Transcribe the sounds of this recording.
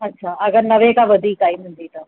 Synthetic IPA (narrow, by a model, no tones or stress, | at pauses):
ɐtːɕʰaɐɡəɾnəʋẽkaʋəd̪ʱiːkaːimənd̪it̪a